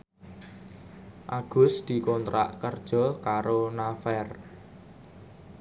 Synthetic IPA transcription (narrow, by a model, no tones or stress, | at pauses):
ʔaɡ̥ʊ̤sd̪̥i̤kɔnt̪ɾa̰ʔkərd̥ʒ̥ɔ̤kaɾonafɛr